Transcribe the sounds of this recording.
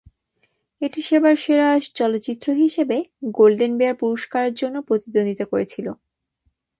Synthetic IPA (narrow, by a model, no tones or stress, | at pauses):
eʈiʃebaɾʃeɾaʃt͡ɕɔlotːt͡ɕit̪ːɾoɦiʃebeɡolɖenbeaɾpuɾoʃkaɾeɾd͡ʑonːopɾot̪id̪ond̪it̪okoɾet͡ɕʰilo